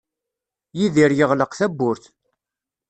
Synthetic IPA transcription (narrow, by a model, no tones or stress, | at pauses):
jiðiɾjəʁləqθæbːʊɾθ